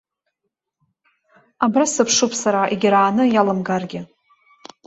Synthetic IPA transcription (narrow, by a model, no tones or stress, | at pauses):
abrasɨpʰʂupʰʼsaɾaʔeɡʲɾaːnɨjalɨmɡarɡʲɪ